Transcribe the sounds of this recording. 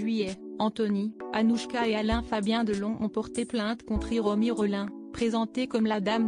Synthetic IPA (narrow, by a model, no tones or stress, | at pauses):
ɥijɛɑ̃t̪ɔnianuʃkaealɛ̃fabjɛ̃d̪əlɔ̃ʔɔ̃pɔʁt̪eplɛ̃t̪kɔ̃t̪χiʁɔmiʁɔlɛ̃pχezɑ̃t̪ekɔmlad̪am